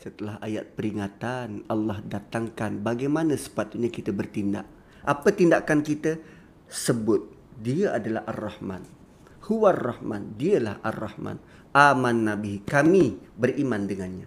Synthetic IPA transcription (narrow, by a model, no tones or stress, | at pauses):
sət̪əlaɦa̰jat̪̚pəɾiŋat̪analːɑhdat̪aŋkanbaɡajmanə̃sə̥pat̪uɲakit̪əbərt̪inda̰ʔ | ʔapət̪indakankit̪ə | səbʊt̪̚ | diaʔadalaɦarːɔhma̰n | huwarːɑhma̰ndiəla̰hʔa̰rːɑhma̰n | ʔamanːabikamibərimandəŋanɲa